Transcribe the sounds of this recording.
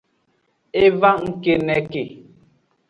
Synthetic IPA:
e˦va˦ŋ̩˨ke˨nɛ˨˦ke˨

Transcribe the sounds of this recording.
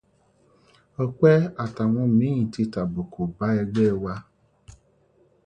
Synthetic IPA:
ɔ˧kʷɛ˦a˨ta˨wɔ̃˧˨mĩ˨˦ĩ˨ti˧ta˨bo˨ko˨ba˨˦ɛ˧ɡ͡bɛ˦˨wa˧

